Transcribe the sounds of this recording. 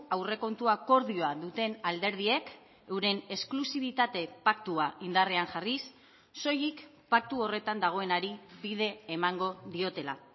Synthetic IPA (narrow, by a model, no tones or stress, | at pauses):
awre̞ko̞nt̪uako̞ɾðio̞aðut̪e̞nald̪e̞ɾð̞ie̞k | ewɾe̞ne̞sklusiβ̞it̪at̪e̞pakt̪uaʔind̪areaŋʝarisː | o̞jik | pak̚t̪uo̞re̞t̪and̪aɣ̞o̞e̞naɾiβiðe̞ːmaŋɡo̞ðio̞t̪e̞la